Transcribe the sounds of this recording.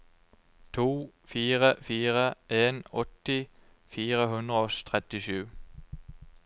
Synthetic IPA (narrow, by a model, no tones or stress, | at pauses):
t̪ʰuːfiːʁəfiːʁəʔeːnɔt̪ɪ | fiːʁəhʉnd̪ʁəoːst̪ʰʁɛt̪ɪʃʉː